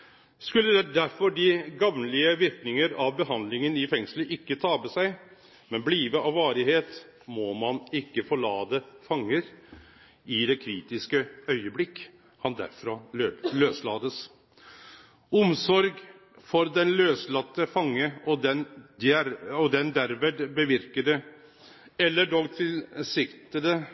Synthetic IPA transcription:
skʉlːəd̪æɾfɔɖɪɡɑʋnlɪəʋɪɾknɪŋəɾɑʋbəɦɑnd̪lɪŋənɪfɛŋsləʔɪkːət̪ʰɑːbəsæɪ | mɛnbliːʋəʔɑʋʋɑːɾɪheːt̪ | mɔmɑnɪkːəfɔɭɑːd̪əfɑŋːəɾ | ɪd̪ɛkʰɾiːt̪ɪskəœʏəblɪkː | hɑnd̪æ̰ɾfɾɑløːslɑːd̪əs | ʊmsɔɾɡ | fɔɾd̪ɛnløːslɑt̪ːəfɑŋːəɔd̪ɛnd̪æɾɔd̪ɛnd̪æɾʋɛd̪bəʋɪɾkəɖɛ | ɛlːəɖɔɡt̪ʰɪlsɪkt̪əd̪ə

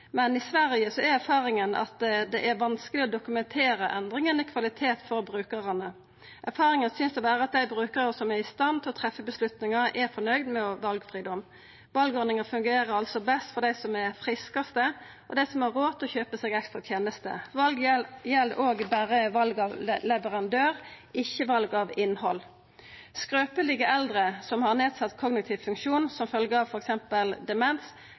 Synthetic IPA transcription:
mɛnɪsʋæɾɪəsɔæɾæɾfɑːɾɪŋənɑ̰t̪d̪ɛʔæɾʋɑnskəlɪɔd̪ʊkʉmɛnt̪ʰeːɾəʔɛnd̪ʁɪŋənɪkʰʋɑlɪt̪ʰeːt̪fɔɾbʁʉːkəʁənə | ʔæɾfɑːɾɪŋənsʏnsd̪ɛbæːʁəɑt̪̚d̪æɪbɾʉːkəʁəsɔmæɾɪst̪ɑnt̪ʰɪlɔt̪ʰʁɛfːəbəslʉt̪nɪŋɑɾɛɾfɔnœʏd̪mɛɔʋɑlɡfɾiːd̪ɔm | ʋɑlɡɔɾd̪nɪŋɑfʉŋɡeːɾəɾɑlsɔbɛst̪fɔd̪æɪsɔmæɾfʁɪskɑst̪ə | ʔɔd̪æɪsɔmɛʁoːt̪ʰɔçøːpəseːɡɛkst̪ʁɑt̪ʰjeːnəst̪ə̰ʋɑlɡjɛld̪əʔoːɡbæːɾəʋɑlɡɑʋlɛʋəʁɑnd̪øːʁɪçːəʋɑlɡɑʋɪnːhɔl | skɾøːpəlɪɡəʔɛld̪ɾəsɔmhɑʁneːd̪sɑt̪ːkʰɔɡnɪkt̪ʰɪʋfʉŋkʃuːnsɔmfœlɡəɑʋfɔɾɛksɛmpəld̪ɛmɛns

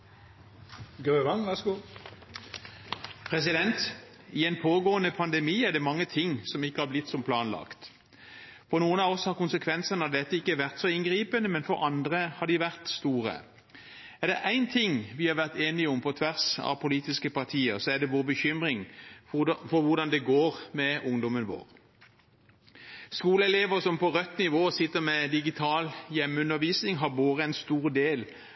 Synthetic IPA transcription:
ɡøːʋɑnʋæsɡu | pʰʁɛs̬ɪd̪ɛnt̪ | ɪɛɪnpʰoːɡoːənəpʰɑnd̪ɛmiːæʁd̪ɛmɑŋːət̪ʰɪŋːsɔmɪkːəhɑblɪt̪ːsɔmpʰlɑːnlɑ̰kt̪ | fɔʁnuːənɑɔshɑʁkʊnsəkʰʋɛnsənəd̪ɛt̪ːəɪkːəʋæʁt̪sɔɪnɡʁiːpənəmɛnfɔɾɑnd̪ʁəhɑd̪iʋæʁt̪st̪uːʁə̰ | æʁd̪ɛ̰ʔæɪnt̪ʰɪŋʋɪhɑʋæʁt̪eːnɪʊmpʰɔt̪ʰʋæʁsɑ̰ʋpʰʊliːt̪ɪskəpɑʁt̪ʰiːəʁsɔæd̪ɛʋoːʁbəçʏmɾɪŋ | fɔʋʊʁd̪ɑnd̪ɛɡoːʁmɛʊŋd̪ɔmənʋo̰ːʁ | skuːləɛleːʋəʁsɔmpɔʁœt̪ːnɪʋoːsɪt̪ːəʁmɛd̪ɪɡɪt̪ʰɑːljɛmːʉnːəʋiːsnɪŋɦɑʁboːʁəæɪnst̪uːʁd̪eːl

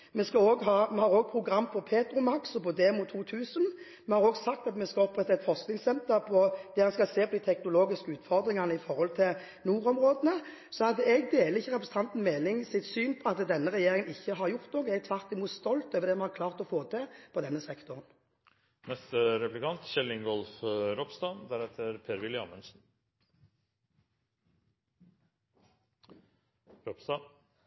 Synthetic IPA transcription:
mɛskɑoːɡɦɑːmɛhɑʁoːɡ̚pʰʁʊɡʁɑmːfɔʁpʰeːt̪ɾʊmɑksɔbɔd̪eːmʊt̪ʰːuːt̪ʰʉːsən | mɛhɑɾoːɡsɑk̚t̪ɑt̪mɛskɑɔpːʁɛt̪ːɑɛt̪fɔʁsknɪŋsɛnt̪əpʰɔd̪̥ɛːhɑnskɑseːpʰɔd̪iːt̪ʰɛknʊloːɡɪskəʉːt̪fɔʁd̪ʁɪŋɑnəɪfɔʁhɔlt̪ʰɪl | nuːʁɔmʁoːd̪ənə | sɔhɑd̪ːəɛɡd̪eːləɪçːəʁɛpɾəsn̩ɑnt̪n̩mɛːlɪŋsɪt̪syːnpʰɔɑt̪d̪ɛnːəʁɛjeːʁɪŋənɪçːəɦɑʁjʊʁt̪nɔːɡəɛɡ̚t̪ʰʋɑʁt̪ɪmuːt̪st̪ɔlt̪øːʋəʁd̪ɛmɑnhɑʁkʰlɑːʁt̪ɔfoːt̪ʰɛpʰɔd̪ɛnːəsɛkt̪ʊʁən | nɛst̪əɾɛplɪkʰɑnt̪çɛlːɪŋɡɔlfɾɔpsd̪ɑːd̪æɾɛt̪ʰːəɾpʰeːɾʋɪlɪɑ̰ːmənsn̩ | ɾɔpst̪ɑ

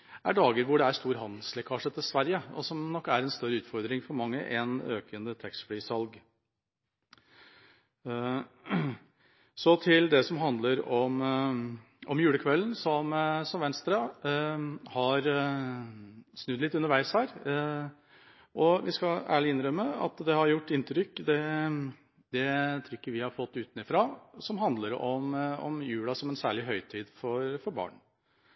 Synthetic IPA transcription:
æ̰ɖɑːɡəɾʋʊɖɛæɾst̪uːɾɦɑnd̪̩slɛkʰɑːʂət̪ʰːɪlsʋæɾjəɔ̰sɔmnɔkːæɾɛnst̪œɾːəʉːt̪fɔɾd̪ɾɪŋfɔɾmɑŋːə̰ʔɛ̰nøːkʰənət̪ʰɾɛkst̪fɽyːsɑlɡ | sɔt̪ʰɪld̪ɛsɔmɦɑnd̪ləɾɔm | ʔɔmjʉːɽəkʰʋɛlnsɔmsɔmʋɛnst̪ɾɑ | hɑɾ | snʉd̪lɪt̪ːʉnːəɾʋæɪshæːɾ | ʔɔʋɪskɑæ̰ːɭɪɪnɾœmːəɑ̰t̪d̪ɛhɑɾjʊʈːɪnt̪ʰɾʏkːd̪ɛ | d̪ɛt̪ʰɾʏkːəɾʋɪhɑɾfɔt̪ːʉːt̪nɪfɾɑsɔmɦɑnd̪ləɾɔmɔ̰mjʉːlɑsɔmɛnsæːɭɪɦœʏt̪ʰiːd̪fɔɾfɔɾbɑ̰ːɳ

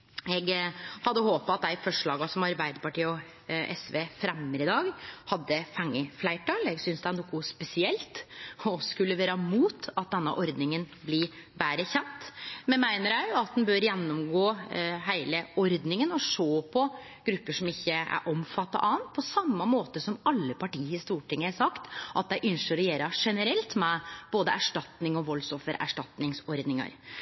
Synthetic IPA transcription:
ɛɡhɑd̪ːəhoːpɑɑt̪̚d̪æɪfɔʂɭɑːɡɑsɔmɑɾbæɪd̪əpɑʈiːɔ | ʔɛ̰sʋeːfɾɛmːəɾɪd̪ɑːɡhɑd̪ːəfɛŋːəflæɪʈʰɑːlɛɡsʏnsd̪ænɔkːuspɛsɪɛlt̪ɔskʉlːəʋeːɾəmuːt̪ɑt̪̚d̪ɛnːə̰ʔɔɾd̪nɪŋənbli | bæːɾəçɛnt̪mɛnmæɪnəɾæɑt̪̚d̪ɛnbøːɾjɛnːʊmɡoːɦæɪləɔɾd̪nɪŋənɔʂoːpʰɔ | ɡ̥ɾʉpːəʂɔmɪçːəæ̰ɾʔɔmfɑt̪ːɑ̰ʔɑːənt̪̚pʰɔsɑmːəmoːt̪əsɔmɑlːəpʰɑʈiːhɪst̪uːʈɪŋːəæsɑkt̪ʔɑt̪̚d̪æɪʔʏnʂəɾɔjeːɾɑʂɛnəɾɛlt̪mɛb̥oːd̪əæʂʈɑt̪nɪŋɔʋɔlːsɔfəɾæ̰ʂʈɑt̪nɪŋsɔɾd̪nɪŋɑ̰ɾ

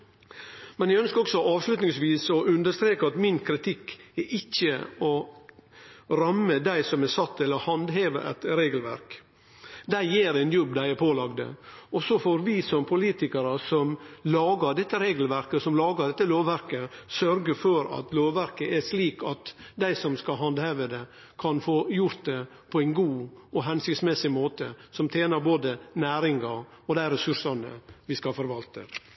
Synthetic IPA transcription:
mɛnjæɪœnskəɾɔksɔʔɑːʋslʉt̪nɪŋsʋiːsɔʔʉnd̪əʂt̪ɾeːkəɑt̪mɪnkʰɾɪt̪ʰɪkːɛʔɪçːəɔ | ɾɑmːəd̪æɪsɔmɛsɑt̪ːɛlːəɾhɑnd̪ɦeːʋə̰ʔɛ̰t̪ɾeːɡəlʋæ̰ɾk | d̪æɪjeːɾɛnjɔbːd̪æɪæpʰoːlɑɡd̪ə̰ɔsɔfoːɾʋɪsɔmpʰʊliːt̪ɪkəɾəsɔmlɑːɡəɖ̪ɛt̪ːəɾeːɡəlʋæɾkəsɔmlɑːɡəɾɖ̪ɛt̪ːəloːʋʋæɾkəsœɾɡəfɔɾɑ̰t̪loːʋʋæɾkəɛʂliːkɑt̪d̪æɪsɔmskɑɦɑnd̪hɑːʋəd̪ɛ | kʰɑnfoːjʊɾt̪̚d̪ɛ | pʰɔæɪnɡuːɔɦɛnsɪksmɛsɪmoːt̪əsɔmt̪ʰjeːnɑɾboːd̪ənæːɾɪŋɡɑɔd̪æɪɾɛsʉʂɑnə̰ʋɪskɑfɔɾʋɑlt̪ə

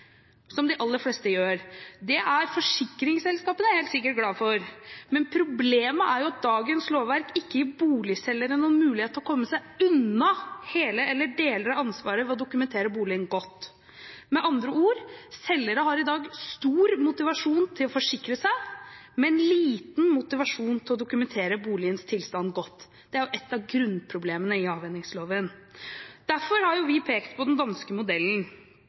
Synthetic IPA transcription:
sɔmd̪ɪʔɑlːəɾflɛst̪əjøːɾd̪ɛʔæɾfɔʂɪkːɾɪŋsɛlskɑːpənəæɾheːlt̪sɪkːəʈɡlɑːfɔɾmɛnpʰɾʊbleːməʔæɾjʊɑt̪̚d̪ɑːɡənsloːʋʋæɾkɪkːəɪbuːlɪsɛlːəɾənuːnmʉːlɪheːt̪əɔkʰɔmːəsæɪʉnɑheːləɛlːəɖeːləɾɑnsʋɑːɾəʋɛɔd̪ʊkʉmɛnt̪ʰeːɾəbuːlɪənɡɔt̪ː | mɛʔɑnd̪ɾəuːɾsɛlːəɾəɦɑɾɪd̪ɑːɡst̪uːɾmʊt̪ɪʋɑʂuːnt̪ʰɪlɔfɔʂɪkɾəsæɪmɛɛnliːt̪nmʊt̪ɪʋɑʂuːnt̪ʰɪlɔd̪ʊkʉmɛnt̪ʰeːɾəbuːlɪənst̪ʰɪlst̪ɑnːɡɔt̪ː | d̪̥ɛæɾjʊʔɛt̪ːɑʋɡɾʉnpʰɾʊbleːmənəɪɑːʋɛnːɪŋsloːʋən | d̪̥æɾfɔɾhɑɾjʊʋɪpʰeːkt̪pʰɔd̪ɛnd̪ɑnskəmʊd̪ɛlːn̩

